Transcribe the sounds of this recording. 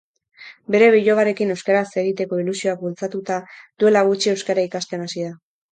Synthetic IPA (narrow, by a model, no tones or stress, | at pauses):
be̞ɾe̞βiʎo̞βaɾe̞kine̞wskeɾase̞ɣ̞it̪e̞ko̞ilusio̞ak̚bult͡sat̪ut̪aðue̞laɣ̞ut͡ʃie̞wskaɾaikast̪e̞nasiða